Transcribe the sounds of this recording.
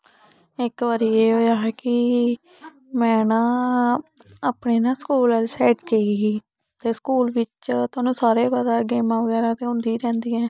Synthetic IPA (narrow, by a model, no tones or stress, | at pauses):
ɪkʋaːɾiːeːɦoːjaːɦɛkɪ | mɛ̃ːnaː | aːpɳeːnãːskuːlɛːlsɛːʈkeːɡiː | t̪eːskuːlʋɪt͡ʃt̪ʊaːnũːsaːɾeːbaːɾaːɡeːmãːʋəɡɛːɾaːt̪eːɦʊ̃nd̪iːɾɛ̃ːnd̪iːɛ̃ː